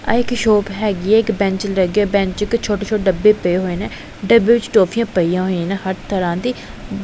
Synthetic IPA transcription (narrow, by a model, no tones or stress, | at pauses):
a̰ɪkʃoːpɦɛːɡiɛːɪkbɛ̃ɲt͡ʃləɡeːbɛ̃ɲt͡ʃɪkt͡ʃʰoːʈeːt͡ʃʰoːʈɖəbːeːpəeːɦoːeːnɛː | ɖəbeːʋɪt͡ʃʈoːpʰijãːpəiːjãːɦonɛ̃ːhəʈt̪ʰəɾãːd̪iː